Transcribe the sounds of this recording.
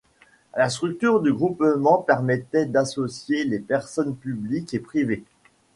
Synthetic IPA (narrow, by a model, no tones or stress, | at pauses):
last̪χyk̚t̪yʁd̪yɡʁupmɑ̃pɛʁmɛt̪ɛd̪asɔsjelepɛʁsɔnpyblikepχive